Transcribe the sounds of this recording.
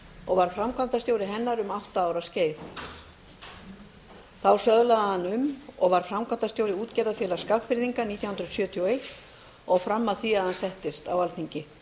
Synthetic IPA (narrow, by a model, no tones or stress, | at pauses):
ɔɣvaɾ̥fɾamkʰant̪ast̪joːwɾɪɦɛnːaɾʏmawht̪aaːwɾasceːjθ | θawsœðlaðhanːʏmɔɣvaɾ̥fɾamkʰant̪ast̪joːwɾɪuːt̪cɛɾðafjɛːlaskaɣfɪɾðiŋkaniːt̪jawhnɾʏsjœːt̪ʰioejht̪ | ɔɣfɾamːaðθiaðhansɛht̪ɪst̪awalt̪niɲcɪ